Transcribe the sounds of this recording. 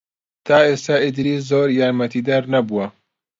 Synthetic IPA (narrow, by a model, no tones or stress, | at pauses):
t̪ʰaːest̪aʔɪd̪ɾiːzoːɾjaːɾmɐt̪ʰiːd̪ɐɾnɐbuwɐ